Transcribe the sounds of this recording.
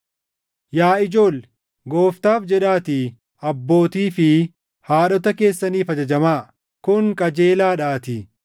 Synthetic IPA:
jaːɪd͡ʒo̞ːl | ɡo̞ːft̪aːfd͡ʒɛᶑaːt̪i | ɐbːo̞ːt̪iːfɪ | haːᶑɔt̪ɐke̞ːsːɐniːfɐd͡ʒɐd͡ʒɐmaː | kʊŋkʼɐd͡ʒe̞ːlaːᶑaːt̪ɪ

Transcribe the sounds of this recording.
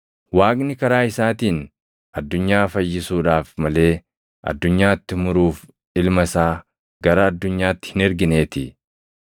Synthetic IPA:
waːkʼnɪkɐɾaːɪsaːt̪iːn | ʔɐd̪ːʊɲːaːfɐjːɪsuːᶑaːfmɐle̞ː | ʔɐ̰d̪ːʊɲːaːt̪ːɪmʊɾuːf | ɪlmɐsaː | ɡɐɾɐːd̪ːʊɲːaːt̪ːɪ̥hɪnɪɾɡɪne̞ːt̪ɪ

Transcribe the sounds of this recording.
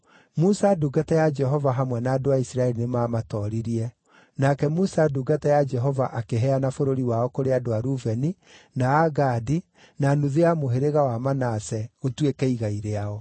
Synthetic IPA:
musaduɡatɛjad͡ʒɛɦɔvaɦamwɛnaːdoaisiɾaɛɾinemaːmatɔɾiɾiɛ | nakɛmusaduɡatɛjad͡ʒɛɦɔvaʔakeɦɛanafoɾoɾiwaɔkoɾeadoaɾuvɛni | naːɡadi | nanuðeamoɦeɾeɣawamanasɛɣotwekɛiɣaiɾeaɔ

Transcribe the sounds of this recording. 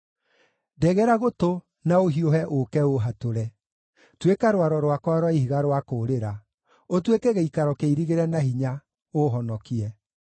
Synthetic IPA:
dɛɣɛɾaɣoto | naoɦioɦɛʔokɛoɦatoɾɛ | twekaɾwaɾɔɾwakwɔaɾwɔihiɣaɾwakoːɾeɾa | ot̬wekeɣeikaɾɔkeiɾiɣeɾɛnahiɲa | oɦɔnɔkiɛ

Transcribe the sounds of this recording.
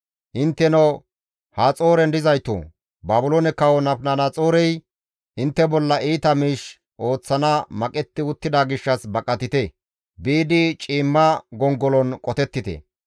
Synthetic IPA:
ʔɪnt̪ːɛno | hat͡sʼoːɾɛnd̪ɪzɐjt̪o̰ː | baːbʊloːnɛkːɐwɔnɐpnanat͡sʼoːɾɛj | ʔɪnt̪ːɛbɔlːɐʔiːt̪ɐmiːʃ | ʔo̞ːt͡sːɐnɐmɐkʼɛt̪ːɪʊt̪ːɪd̪aɡɪʃːɐsbɐkʼɐt̪ɪt̪ɛ | biːd̪ɪt͡ʃʼiːmːɐɡɔŋɡɔlɔnkʼɔt̪ɛt̪ːɪt̪ɛ̰

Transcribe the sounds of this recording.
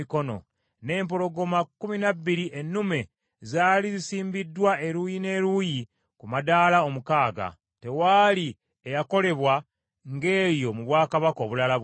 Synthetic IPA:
iko̞no̞̰ | ne̞ːmp̬o̞lo̞ɡo̞makːuminabːiɾiʔenːume̞ | zaːlizisiːmbidːwae̞ɾujine̞ːɾuji | kumadaːlao̞mukaːɡa̰ | te̞waːli | ejako̞le̞βwa | ŋɡe̞ːɾjo̞muβwaːkaβakoβulalaβ

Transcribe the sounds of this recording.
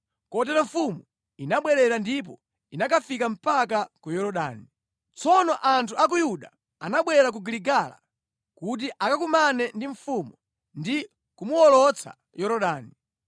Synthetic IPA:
kɔt̬ɛɾaɱfumu | inaɓwɛɾɛɾandip̬ɔ | inak̬afikam̩pakakujɔɾɔɗa̰ːni | t͡sɔnɔʔantʰuak̬ujuɗa | anaɓwɛɾak̬uɡliɡala̰ | kut̬iʔakakumanɛndiɱ̩fumu | ndi | kumuwɔlɔt͡sʰa̰ | jɔɾɔɗaːni

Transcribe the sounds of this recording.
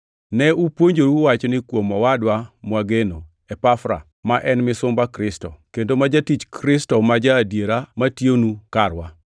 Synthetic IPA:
nɛupwoɲd͡ʒoɾuwat͡ʃnɪkwomɔwadwamwaɡeno | ɛpafɾa̰ | maʔɛnmɪsʊmbakɾɪstɔ̰kendomad͡ʒatit͡ʃkɾɪstɔmad͡ʒaːdjeɾamatjonukaɾwa

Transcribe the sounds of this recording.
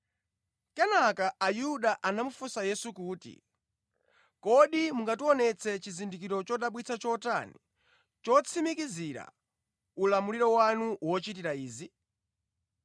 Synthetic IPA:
kɛnakaːjuɗaʔanamufusajɛsukuːtḭ | kɔɗimuŋɡatiɔnɛt͡sʰɛt͡ʃizindikiɾɔt͡ʃɔɗaɓwit͡sʰat͡ʃɔta̰ni | t͡ʃɔt͡sʰimikiziɾa̰ | ulamuliɾɔwanuwɔt͡ʃit̬iɾaiːzi

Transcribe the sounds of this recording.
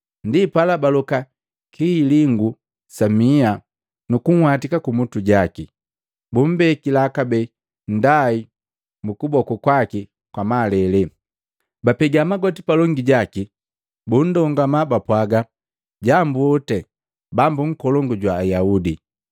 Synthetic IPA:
ndipalabalɔka | kʰiiliŋɡu | samia | nukuŋ̩hatikakumutuɟaki | bum̩bɛkilakabɛ | n̩dai | mbukubɔkukwaki | kwamalɛlɛ | bapɛɡamaɡɔtipalɔŋɡiɟaki | bun̩dɔŋɡamabapwaɡa | ɟambuɔtɛ | bambuŋ̩kɔlɔŋɡuɟwaːjaudi

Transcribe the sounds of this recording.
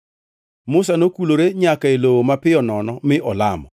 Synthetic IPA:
mʊs̬anokuloɾeɲakaelowomapɪɔnɔnɔmɪʔɔlamɔ̰

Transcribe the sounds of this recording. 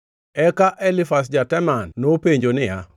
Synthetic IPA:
ɛkaʔɛlɪfas̬d͡ʒatɛmanːopeɲd͡ʒonɪja

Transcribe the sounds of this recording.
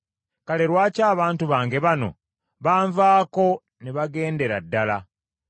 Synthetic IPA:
kale̞ɾwaːcaːβaːntuβaːŋɡe̞βano̞̰ | βaːɱvaːko̞ | neβaɡe̞ːnde̞ɾadːala̰

